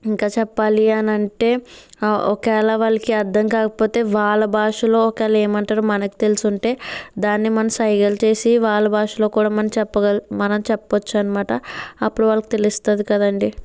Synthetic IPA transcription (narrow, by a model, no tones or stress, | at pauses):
iŋkaːt͡ʃɛpːaːliɐnɐɳʈe̞ː | ɔ̰kɛːlɐʋɐːlɐkiɐɾd̪ɐmkaːkɐpo̞ːt̪e̞ːʋaːɭːɐbʱaːʂulo̞ːɔkɛːlɐe̞ːmɐɳʈaːɾuːmɐnɐki̥t̪e̞lisuɳʈe̞ːd̪aːnːimɐnɐmsɐjɡɐlt͡ʃe̞ːsiʋaːɭːɐbaːʂulo̞ːkuːɽaːmɐnɐmt͡ʃɛpːɐɡɐlmɐnɐmt͡ʃɛpːɐʋɐt͡ʃːaːnɐmaːʈɐɐpːuɽuʋaːɭːɐkut̪e̞list̪ad̪ikɐd̪ɐɳɖi